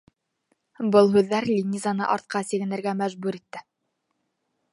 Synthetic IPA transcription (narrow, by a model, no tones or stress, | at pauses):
bɤlˠɦʉðːæɾlʲinʲizɑnɤ̰ʔɑɾt̪̚qɑsĭɡɘ̆nɘ̆ɾɡæmæʒbʉɾit̪ːɘ